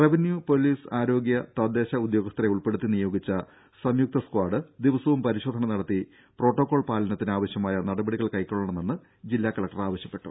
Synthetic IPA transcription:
reʋinjupo̞liːsaːɾo̞ːɡjɐt̪ɐd̪ːe̞ːɕɐud̪jo̞ːɡɐst̪reuɭpeɽut̪ːinijo̞ːɡit͡ɕːɐ | sɐmjuk̚t̪ɐskwaːɖɨd̪iʋɐsɐʋumpɐɾiɕo̞ːd̪ʱɐnɐnɐɽɐt̪ːi | pro̞ːʈːo̞ːkːo̞ːɭpaːlɐnɐt̪ːinaːʋɐɕjɐmaːjɐnɐɽɐbɐɽiɣɐɭkɐjkːoɭːɐɳɐmenːɨ | d͡ʑilːaːkɐɭɐkʈɐraːʋɐɕjɐpːe̞ʈːṵ

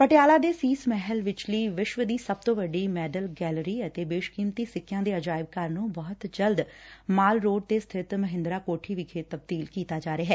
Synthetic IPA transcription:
pəʈɪjaːlaːd̪eːsiːsmɛɦəlʋɪt͡ʃliːʋɪʃʋəd̪iːsəb̚t̪õːʋəɖiːmɛːɖəlɡɛːləɾiːət̪eːbeːʃkiːmt̪iːsɪkʰːjãːd̪eːəd͡ʒaːɪb̚kaɾnũːbɔːt̪d͡ʒəld̪maːlɾoːɖ̚t̪eːst̪ʰɪt̪məɦɪ̃nd̪ɾaːkoːʈʰiːʋiːkʰeːt̪əb̚d̪iːlkiːt̪aːd͡ʒaːɾeaːɦɛː

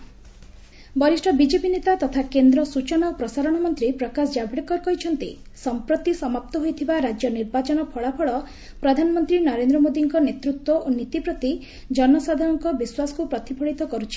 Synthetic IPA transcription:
bɔɾisʈʰɔbid͡ʒepinet̪at̪ɔt̪ʰakend̪ɾɔsut͡ʃɔnaopɾɔsaɾɔɽ̃ɔmɔnt̪ɾipɾɔkasd͡ʒabʱiɽikɔɾkɔɦit͡ʃʰɔnt̪i | sɔmpɾot̪isɔmap̚t̪ɔɦojt̪ʰibaɾad͡ʒjɔniɾbat͡ʃɔnɔpʰɔɭapʰɔɭɔ | pɾɔd̪ʱanɔmɔnt̪ɾinɔɾend̪ɾɔmod̪iŋkɔnet̪ɾut̪wɔʔonit̪ipɾɔt̪i | d͡ʒɔnɔsad̪ʱaɾɔŋkɔbiswasɔ̥kupɾɔt̪ipʰɔɭit̪ɔkɔɾut͡ʃʰi̥

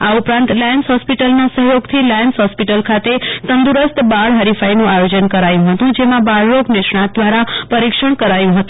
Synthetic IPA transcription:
aupɾãnt̪lɛnsɦɔspiʈəlnasəɦjoɡt̪ʰilɛnsɦɔspiʈəlkʰat̪esənd̪uɾəst̪baɭɦəɾifʰainũʔajod͡ʒənkəɾajũɦət̪ũd͡ʒemãbaɭɾoɡnɪʃɳat̪̚d̪ʋaɾapəɾikʃəɳ̃kəɾajũɦət̪ũ̥

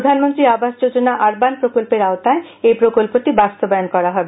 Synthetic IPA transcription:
d̪ʱanmont̪ɾiabaʃd͡ʑod͡ʑonaʔaɾbanpɾokolpeɾaot̪ae | ejpɾokolpoʈibast̪obajonkɔɾaɦɔebe

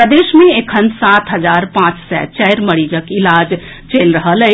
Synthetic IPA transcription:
pɾəd̪eːʃmẽekʰənsaːt̪ɦɐzaːɾpãːt͡ʃsɛ̰ːt͡ʃɛjɾmɐɽiːd͡ʒəkɪlaːd͡ʒ | t͡ʃeːlɾɐɦələ

